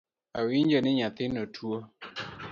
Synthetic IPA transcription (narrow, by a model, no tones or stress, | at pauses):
awind͡ʒəniɲat̪ɪnətʰuo